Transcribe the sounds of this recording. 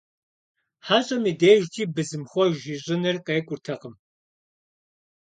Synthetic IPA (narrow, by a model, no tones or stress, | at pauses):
ħaːɕʼɐmiːdeːʒtʰiːbɨzɨmxʷɔʒiɕʼɪnɨrqeːkʷʼʊrtʰɐqəm